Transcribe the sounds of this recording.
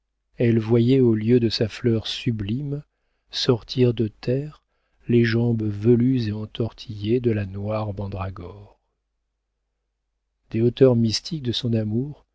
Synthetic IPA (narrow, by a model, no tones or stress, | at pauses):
ɛlvwajɛoljød̪əsaflœʁsyblim | sɔʁt̪ʰiʁd̪ət̪ʰɛʁ | leʒɑ̃bvəlyzeɑ̃t̪ɔʁt̪ʰijed̪əlanwaʁbɑ̃d̪ʁaɡɔʁ | d̪̥eot̪œʁmist̪ik̚d̪əsɔ̃namuʁ